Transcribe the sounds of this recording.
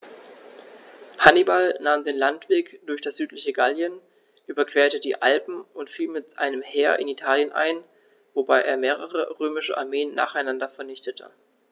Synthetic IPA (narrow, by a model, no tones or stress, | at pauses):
pʰanibalnaːmdeːnlantv̥eːkd̥ʊɐçd̥asz̥yːtlɪçəɡaljən | ʔyːbɐkv̥eːɐtədiːʔalpm̩ʊntfiːlmɪtʔa̰ɪnəmhɛːɐʔɪ̰nitʰaːljənʔa̰ɪn | vobaɪʔeːɐmeːʁ̞əʁə̰ʁøːmɪʃə̰ʔaɐmeːənːa̰ːχaɪnandɐfɛɐnɪçtətʰə̰